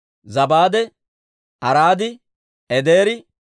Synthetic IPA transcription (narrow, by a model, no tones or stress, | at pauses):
zɐbaːd̪ɛ | ɐɾaːd̪ɪ | ɛd̪eːɾɪ